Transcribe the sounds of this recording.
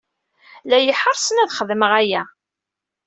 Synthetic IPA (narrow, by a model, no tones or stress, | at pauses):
læjəħəɾˤsənæðχəðməʁæjæ